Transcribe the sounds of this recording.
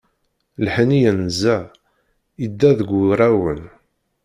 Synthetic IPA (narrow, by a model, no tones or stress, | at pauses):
lħnijənzæ | id̪ːæðəɡʷuɾˤæwən